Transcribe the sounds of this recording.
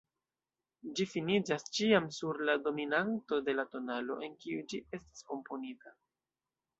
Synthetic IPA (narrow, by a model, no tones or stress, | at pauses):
d͡ʒifinid͡ʒast͡ʃiamsuɾlado̞minanto̞de̞lato̞nalo̞̰ʔe̞nkiud͡ʒie̞stḁsko̞mpo̞nita